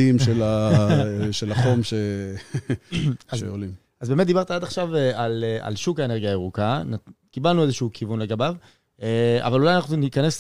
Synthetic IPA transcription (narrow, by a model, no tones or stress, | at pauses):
imʃela | ʃelaχo̞mʃe | azeolim | azbe̞met̚d̪ibaʁt̪aad̪aχʃavealeʔa̰lʃukaeneɡiaeʁukana | kibalnuezeʃuːkʰivunleɡabav | ea̰valulajanaχnunikanes